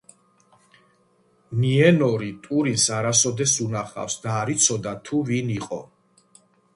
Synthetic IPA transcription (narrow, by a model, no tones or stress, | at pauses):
miɛnɔɾit̪ʼuɾinsaɾasɔd̪ɛsunaχa̰fsd̪aːɾit̪sʰɔd̪at̪ʰuviniqʼɔ̰